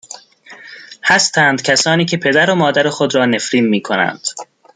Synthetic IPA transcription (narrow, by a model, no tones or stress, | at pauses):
hæst̪ʰæːnd̪cʰæsɒːniːcʰe̞pʰe̞d̪æɾomɒːd̪æɾexo̞d̪ɾɒːne̞fɾiːnmiːkʰonæ̰nd̪̥